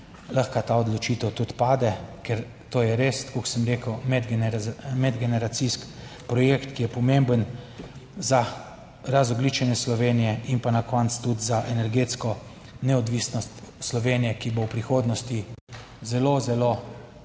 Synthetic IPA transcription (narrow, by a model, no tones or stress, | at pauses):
ləxkat̪aɔd̪lɔt͡ʃit̪əwt̪ut̪paːd̪ɛkɛɾ | t̪oːjɛɾest̪koksəmɾeːkəwmɛd̪ɡmɛd̪ɡɛnɛɾat̪siskpɾɔjekt̪kijɛpɔmembən | za | ɾazɔɡlit͡ʃɛnjɛslɔʋeːnijɛinpanakʰɔnt̪st̪ud̪zaʔɛnɛɾɡeːt̪skɔ | nɛɔd̪ʋisnɔst̪slɔʋeːnijɛkibowpɾixoːd̪nɔst̪i | zɛlozɛlo